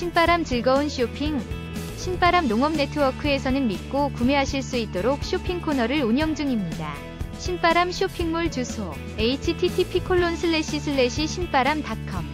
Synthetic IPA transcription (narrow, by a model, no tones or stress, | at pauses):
ɕʰinp͈aɾamt͡ɕɯɭɡʌunɕʰiopʰiŋ | ɕʰinp͈aɾamnoŋʌmne̞tʰɯwʌkʰɯe̞sʰʌnɯnmit̚k͈okume̞ɦaɕʰiɭs͈uit̚t͈oɾok̚ɕʰiopʰiŋkʰonʌɾɯɾuɲjʌŋd͡ʑɯŋimɲida̰ | ɕʰinp͈aɾamɕʰiopʰiŋmuɭt͡ɕusʰo | e̞itʰitʰitʰipʰikʰoɭːonsʰɯɭːe̞ɕʰisʰɯɭːe̞ɕʰiɕʰinp͈aɾamtakʰʌm̚